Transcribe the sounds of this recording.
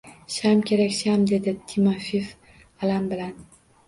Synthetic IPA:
ʃamkʲʰe̞ɾakʲʃamd̪e̞d̪ɪt̪ʰimafif | alambɪlan

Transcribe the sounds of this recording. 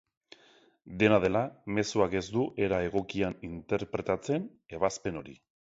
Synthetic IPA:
d̪e̞nað̞e̞lame̞suake̞zd̪uʔe̞ɾae̞ɣ̞o̞kianint̪e̞ɾpɾe̞t̪at͡se̞n | e̞βaspe̞no̞ɾi

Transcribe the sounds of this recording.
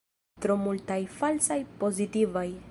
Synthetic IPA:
t̪ɾomultajfalsajpo̞zitivaj

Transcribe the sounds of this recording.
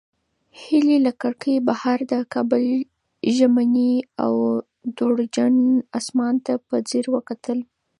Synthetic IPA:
hililakaɽkəjbahaɾd̪əkɑbʊl | ʒamania̰w | d̪oɽd͡ʒaɳɑsmɑnt̪apəd͡zeɾwəkat̪ʰəl

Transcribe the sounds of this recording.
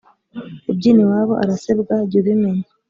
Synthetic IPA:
ebɟiːniwaːβo̞ʔaɾasebɡaɟuβimeɲḁ

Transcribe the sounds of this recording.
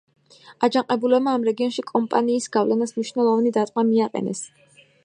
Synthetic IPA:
ad͡ʒaŋqʼɛbulɛbmaːmɾɛɡiɔnʃikʼɔmpʼaniːsɡavlɛnasmniʃnɛlˠɔvanid̪at̪ʼmamiaqʼɛ̰nɛ̰s

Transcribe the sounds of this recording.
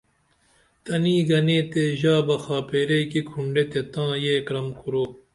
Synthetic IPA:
t̪ɐniːɡɐneːt̪eːʑaːbɐxaːpeːɾeikikʰuɳɖet̪et̪ãːjeːkɾɐmkʰuɾoː

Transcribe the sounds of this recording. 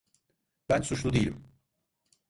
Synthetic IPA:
b̥ænsut͡ʃlˠud̪ejilʲim

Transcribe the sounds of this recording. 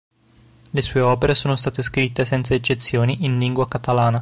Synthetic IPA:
lesuːeɔːpeɾesoːnost̪aːt̪eskɾit̪ːesɛnt̪saet͡ʃːet̪sːjoːniʔinliŋɡwakat̪alaːna

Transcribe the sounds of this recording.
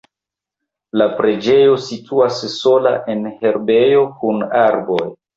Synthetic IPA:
lapɾe̞d͡ʒe̞jo̞sitʰuasːo̞la̰ʔe̞nhe̞ɾbe̞jo̞kunaɾbo̞j

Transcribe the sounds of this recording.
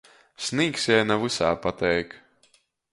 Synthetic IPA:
sʲniːksjɛjnavɨsaːpat̪ɛjk

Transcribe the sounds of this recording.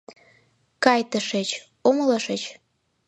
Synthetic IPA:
kɑjt̪əʃet͡ɕ | omləʃet͡ɕ

